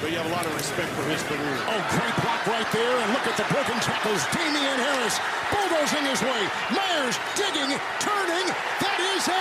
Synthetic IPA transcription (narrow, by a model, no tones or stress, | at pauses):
b̥ʌt͡ʃ̚jɨːvəlɔɾʌvɹɨspɛk̚tfə˞ɪzfɪɡ | oʊɡɹeɪt̚bɹɑkɹaɪt̪̚ðə˞ɨ̃nlʊkɨt̪̚ðɨbɹoʊkɪ̃ŋtʰɹ̥æpl̩ˠzdʰẽɪ̃miɨ̃nhɛlˠəs | b̥ʊlˠðoʊzɪ̃ŋɨzweɪ | maɪə˞z | dɪɡɪ̃ŋ | tʰɜ̃˞nɪ̃ŋ | ðɨɾɪz